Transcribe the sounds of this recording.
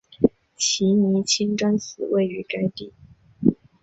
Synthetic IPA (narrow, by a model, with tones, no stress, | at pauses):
t͡ɕʰi˧˥ni˧˥t͡ɕʰi˥ŋʈ͡ʂwa˥nsɹ̩˨˩we˥˩ɪy˧˥ka˥ɪt̪i˥˩